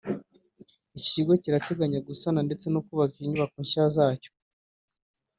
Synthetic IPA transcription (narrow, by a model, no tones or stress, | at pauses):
iciɡo̞ciɾate̞ɡaɲaɡusanande̞t͡se̞nukuːβakiiɲuβakoɲʃazaːco̥